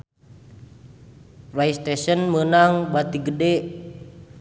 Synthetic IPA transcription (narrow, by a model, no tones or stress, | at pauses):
rajst̪esənmənaŋbat̪iɡədɛʔ